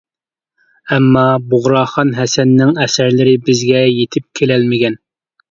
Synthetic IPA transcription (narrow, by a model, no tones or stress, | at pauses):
ɛmːɑboʁɾɑːχɑnɦɛsɛnːɪŋɛsæɾlɪɾɪbɪzɡʲɛjet̪ʰɪp̚kʲʰelɛlmɪɡʲɛn